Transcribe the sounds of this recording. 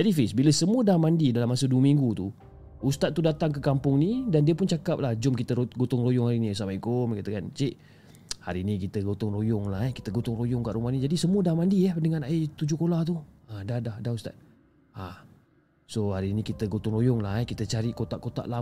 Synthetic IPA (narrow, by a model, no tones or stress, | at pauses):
d͡ʒadifisbiləsəmuədamandidalamasəduəmiŋɡut̪u | ust̪at̪̚ːudat̪aŋkəkampʊŋnidandiəpʊnt͡ʃakap̚lahd͡ʒʊmkit̪əɾoɡot̪ʊŋrojʊŋhaɾinisamaikomkat̪əkant͡ʃiʔ | ha̰ɾinikit̪əɡot̪ʊŋrojʊŋlaɦɛkit̪əɡot̪ʊŋrojʊŋkaʔɾumahnid͡ʒadisəmuədamandindəŋanait̪ud͡ʒʊkolaht̪̬u | adahdahdaust̪a̰t̪̚ | a | sohaɾinikit̪əɡot̪ʊŋrojʊŋlahɛkit̪ət͡ʃaɾikot̪aʔkot̪a̰ʔla